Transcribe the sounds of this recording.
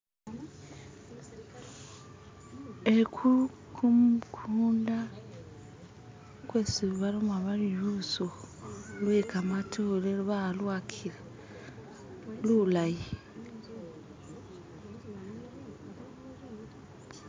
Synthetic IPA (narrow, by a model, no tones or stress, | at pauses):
ekʰu | kʰumkʰuːnda | kweːsiββalomaβaliɾuso | lwekamatʰoleluβalwakʰiɾe | lulaji